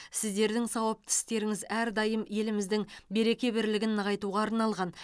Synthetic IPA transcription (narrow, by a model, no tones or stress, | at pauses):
sɪzd̪e̞ɾd̪ɪŋsɑwəp̚t̪ʰɪ̥st̪e̞ɾɪŋɪzæɾd̪ɑjəmje̞lɪmɪzd̪ɪŋbe̞ɾe̞kʲe̞bɪɾlɪɡʲɪnːəʁɑjt̪uʁɑːɾnɑlˠʁɑn